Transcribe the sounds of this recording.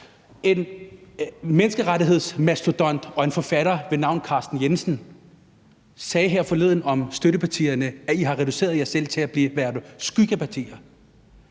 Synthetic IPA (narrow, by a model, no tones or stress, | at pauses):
e̝n | menəsɡ̥əʁaɾiɦe̝ð̞̰ˠsmæsd̥od̥ɒ̽n̰d̥ɒ̽e̝nfɒ̽fæɾ̥ɐʋe̝nɑ̈ʊ̰nkʰɑ̈ːsd̥n̩jensn̩ | sɛːɦeɐ̰fɒ̽le̝ð̰ˠn̩ɒ̽msd̥øɾəpʰɑt͡sʰḭːɐnəæiɦɑ̈ʁɛd̥use̝̰ːɐðˠjɑɪsel̰t͡sʰe̝æb̥liːʋæɐðˠsɡ̥yɡ̥əpʰɑt͡sʰḭːɐ